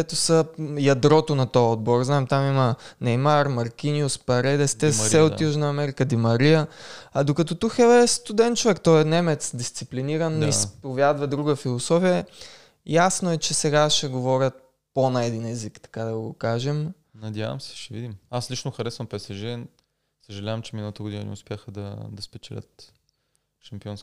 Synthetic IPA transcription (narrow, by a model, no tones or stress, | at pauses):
ɛt̪osəjɐd̪ɾɔt̪onɐt̪ɔɔd̪̚boɾznaɛmt̪amimənɛjmaɾmɐɾkiniʊspɐɾɛd̪ɛst̪ɛsɛot̪juʒnɐːmɛɾikəd̪imɐɾiəɐd̪okɐt̪ɔt̪uxɛɛst̪ʊd̪ɛnt͡ʃovɛkt̪ɔɛnɛmɛt̪sd̪ist̪sipliniɾənispovjad̪vɐd̪ɾuɡəfilˠosɔfijə | jasnoɛt͡ʃɛsɛɡaʃɛɡovɔɾʲət̪̚ | ponaɛd̪inɛzikt̪ɐ̥kad̪ɐɡokaʒɛm | nɐd̪ja̰vɐ̰msɛ̥ʃɛvḭd̪imaslit͡ʃnoxɐɾɛsvɐmpɛsɛʒiɾɛn | səʒɐlʲavɐmt͡ʃɛminəlˠɐt̪əɡod̪inə̰nɛ̰ʊspʲjaxəd̪ɐ̰d̪ɐspɛt͡ʃɛlʲə̰t̪ | ʃɐmpiɔns